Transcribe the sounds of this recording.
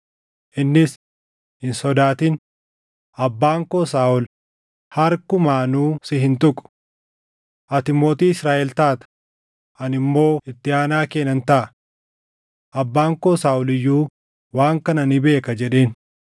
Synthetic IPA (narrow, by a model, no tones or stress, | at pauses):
ʔɪnːɪs | hɪnsɔd̪aːt̪iːn | ʔɐbːaːŋkoːsaːʔʊl | hɐɾkʊmaːnuːsɪɦɪnt̪ʊkʼʊ̥ | ʔɐt̪ɪmo̞ːt̪iːɪsɾaːʔɛlt̪aːt̪ɐ̥ | ʔɐnɪmːo̞ːɪt̪ːɪaːnaːkeːnɐnt̪ɐʔɐ | ʔɐbːaːŋkoːsaːʔʊlɪjːuː | waːŋkɐnɐnɪbe̞ːkɐd͡ʒɛᶑe̞ːn